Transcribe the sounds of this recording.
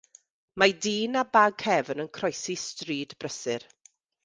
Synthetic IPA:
madiːnabaɡhɛvənənkʰrɔjsistriːdbrəsɪr

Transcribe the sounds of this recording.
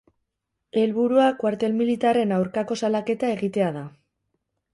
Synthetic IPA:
e̞lβuɾuakwaɾt̪e̞lmilit̪are̞nawɾkako̞salake̞t̪ae̞ɣit̪e̞að̞a

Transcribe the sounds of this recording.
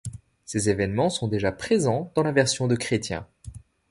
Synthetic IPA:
sezevɛnmɑ̃sɔ̃d̪eʒapχezɑ̃d̪̥ɑ̃lavɛʁsjɔ̃d̪əkχet̪jɛ̰̃

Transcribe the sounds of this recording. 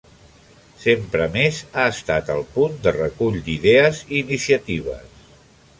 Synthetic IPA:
sempɾəmezaəst̪at̪əlˠpund̪ərəkuʎd̪iðɛəziːnisiət̪iβ̞ə̰s

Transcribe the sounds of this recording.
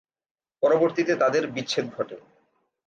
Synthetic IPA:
pɔɾoboɾt̪it̪et̪ad̪eɾbitːɕʰed̪̚ɡʱɔʈe

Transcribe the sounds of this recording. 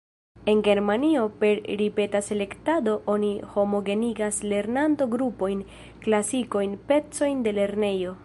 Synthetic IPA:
e̞nɡe̞ɾmanio̞pe̞ɾɾipe̞tase̞le̞ktado̞ʔo̞niho̞mo̞ɡe̞niɡasle̞ɾnanto̞ɡɾupo̞jn | klasiko̞jnpe̞t͡so̞jnde̞le̞ɾne̞jo̞

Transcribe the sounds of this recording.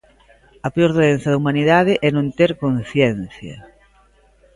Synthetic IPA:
ɐpeoɾðoðenθɐðɐumaniðaðɪʔɛnõnt̪eɾkon̟θjɛn̟θjɐ̰

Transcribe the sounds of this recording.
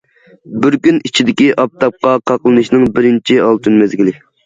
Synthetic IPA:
bɪɾkʲynit͡ʃʰid̪ɪkʲiʔɑp̚t̪ʰɑp̚qɑqʰɑqlˠɨnɨʃnɨŋbɪɾɪnt͡ʃʰiɑlˠt̪ʰynmɛzɡʲilɪ

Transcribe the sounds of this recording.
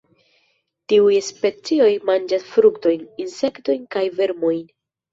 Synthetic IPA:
tiujspe̞t͡sio̞jmand͡ʒasfɾukto̞jninse̞kto̞jnkajve̞ɾmojn

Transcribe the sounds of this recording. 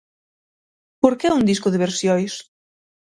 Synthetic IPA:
poɾkɛund̪iskoðeβ̞eɾsjojs

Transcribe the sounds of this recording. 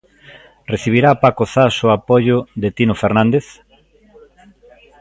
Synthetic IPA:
reθiβ̞iɾapakoθasʊapoʝʊðet̪inofeɾnãnd̪eθ

